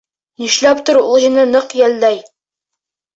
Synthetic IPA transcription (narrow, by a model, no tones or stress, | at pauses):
niʃlæpt̪ŏɾulˠjɤ̆nɤnɤqjæld̪æj